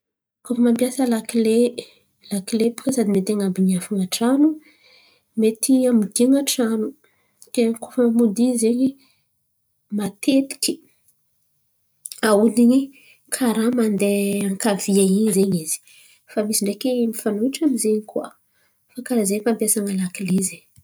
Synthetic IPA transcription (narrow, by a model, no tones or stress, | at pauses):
kofəmampjasəlakle | lakilepu̥kəsad̪imet̪aŋambiɲafuŋaʈ͡ʂanu | met̪ʰiamid̪iŋaʈ͡ʂanu̥ | kekofamud̪izeɲi | mat̪ʰet̪i̥kʲi̥ | aud̪iɲi | kʰaɾamand̪eaŋkaviaiɲzeɲiz̥i̥ | famisiɳɖ͡ʐekemifanuiʈ͡ʂamizeɲikuwa̰ | fakaɾazeɲfampjasaŋəlakileze